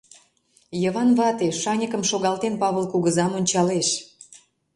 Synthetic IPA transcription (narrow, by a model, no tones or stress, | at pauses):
jəβɑnβɑt̪eʃɑnʲəkə̆mʃoɣɑlt̪enpɑβəlkuɣəzɑmonʲt͡ɕɑleʃ